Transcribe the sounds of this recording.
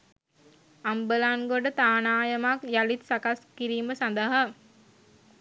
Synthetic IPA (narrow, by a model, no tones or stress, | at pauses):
ambəlaŋɡoɖət̪aːnaːjəmakjalit̪sakaskiɾiːməsand̪əɦa